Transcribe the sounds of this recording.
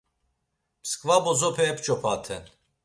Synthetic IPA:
pskʼvabɔzɔpʰɛːpt͡ʃʼɔpʰat̪ʰɛn

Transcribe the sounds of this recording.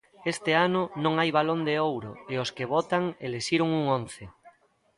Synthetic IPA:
est̪ɪanʊnõŋajβalond̪eowɾoeoskeβɔt̪aŋeleʃiɾoŋuŋõnθe

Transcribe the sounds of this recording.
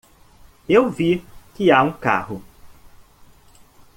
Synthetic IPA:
ewvikɪaũka̰hʊ

